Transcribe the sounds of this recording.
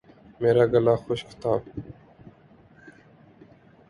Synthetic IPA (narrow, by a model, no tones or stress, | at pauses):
meːɾaːɡəlaːxoʃkɪ̥t̪aːb